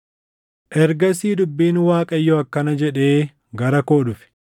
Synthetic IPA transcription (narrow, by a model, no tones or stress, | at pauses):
ʔɛɾɡɐsiːd̪ʊbːiːnwaːkʼɐjːɔɐkːɐnɐd͡ʒɛᶑe̞ː | ɡɐɾɐkoːᶑʊfɪ̥